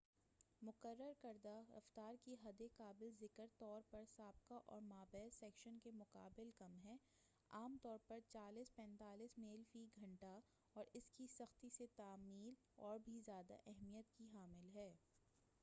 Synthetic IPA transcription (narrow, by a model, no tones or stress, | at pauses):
mʊqəɾːəɾkɐɾd̪aɾɐ̰ft̪aːɾkiɦɐd̪ekaːbɪlzɪkəɾt̪ɔːɾpɐɾsaːb̚kaʔɔːɾmaːbɛːsɛːkʃənkemʊqa̰ːbɪlkɐmɦɛː | aːmt̪ɔːɾpɐɾt͡ʃaːliːspɛ̃ːnt̪aːliːsmeːlfiɡʱɐ̃ɳʈa | ɔːɾɪskisɐxt̪iset̪aːmiːl | ɔːɾbʱizjaːd̪a̰ʔɛɦmijət̪kiɦaːmɪlɦɛː